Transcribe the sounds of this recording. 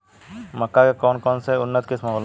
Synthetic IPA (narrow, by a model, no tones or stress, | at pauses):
mɐkːakekɔːnkɔːnseʊnːət̪kɪsmal